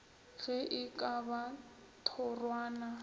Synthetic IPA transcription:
ɣɛʔɪkʼaba | tʰɔrwaːna

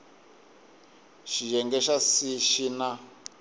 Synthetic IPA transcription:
ʃiʒɛŋɡɛʃasiʃina

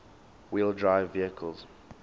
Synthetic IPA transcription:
wilˠdɹaɪvːiəkʰəlz̥

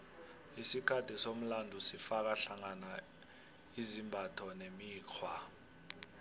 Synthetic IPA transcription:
isikʰatʰisom̩landʱusifak̬aɬaŋana | izimbʱatʰɔnemiːkʰwa

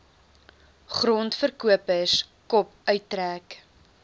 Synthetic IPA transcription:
χrɔntfərkuəpəskɔp̚œɥtːɾæːk

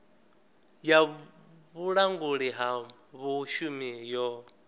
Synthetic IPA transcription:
ja | βuɺaŋɡuɺiɦa | βuʃumijɔ

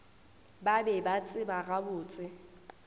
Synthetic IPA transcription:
babɛbat͡sʼɪbarabʊːt͡sʼɪ

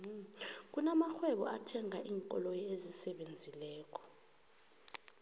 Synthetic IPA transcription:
k̬unamaxwɛɓɔ̰atʰɛŋaʔiːŋkʼɔ̰lojiezisɛɓend͡zʱilɛːk̬ʰɔ̥

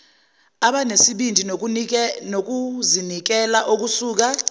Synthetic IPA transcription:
aɓanesiɓindʱi | nok̬uzinik̬ɛlaʔok̬usuːk̬a

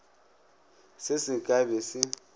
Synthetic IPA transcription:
sɪsikʼaβesi

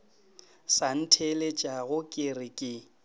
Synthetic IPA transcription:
san̩tʰelet͡ʃʼaɣʊkʼɪrɪkʼɪ

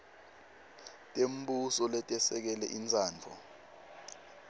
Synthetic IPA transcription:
tʼem̩busɔlɛtʼɛsɛk̬ɛlɛʔint͡saːnt͡fʰɔ

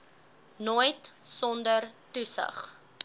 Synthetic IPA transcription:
noːjtsɔndərtusə̰χ

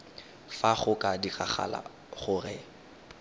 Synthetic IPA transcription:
faχʊkʼadiχaχa̰la̰ | χʊrɛ

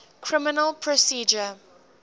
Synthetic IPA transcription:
kʰɹɪmɪnəlˠpʰɹɔsiːd͡ʒə

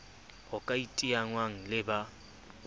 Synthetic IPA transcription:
ʊkʼaitʼiaŋwaŋ̩lɪba

